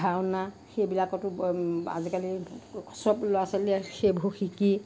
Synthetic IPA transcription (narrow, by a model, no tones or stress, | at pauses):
awna | xejbilakɔtʊa̰zikalisɔploasaliɛxebʱuxiki